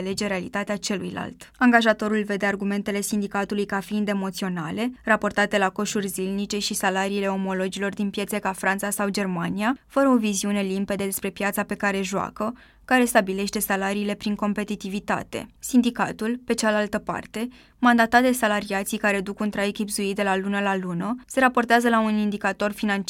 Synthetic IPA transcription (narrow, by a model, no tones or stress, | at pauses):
le̞d͡ʒe̞ɾe̞alit̪at̪eat͡ʃe̞lujla̰lt̪aŋɡaʒat̪o̞ɾulve̞d̪e̞arɡume̞nt̪e̞le̞sind̪ikat̪ulujkafiːnd̪e̞mo̞t̪sio̞na̰le̞rapo̞rt̪at̪e̞lako̞ʃurʲzilnit͡ʃe̞ʃisalaɾiːle̞o̞mo̞lo̞d͡ʒilo̞rd̪inpje̞t̪sekafɾant̪sasawd͡ʒe̞rmaniafəɾəo̞viziune̞limpe̞d̪ed̪e̞spɾe̞pjat̪sape̞kaɾe̞ʒua̰kə | kaɾe̞st̪abile̞ʃt̪e̞salaɾiːle̞pɾiŋko̞mpe̞t̪it̪ivit̪a̰t̪e̞̰sind̪ika̰t̪ulpe̞t͡ʃalalt̪əpa̰rt̪e̞ | mand̪at̪ad̪e̞salaɾiat̪sijkaɾe̞d̪ukunt̪ɾaekʲibzuid̪e̞lalunəlalunəse̞ɾapo̞rt̪eazəlaunind̪ikat̪o̞rfinant͡ʃ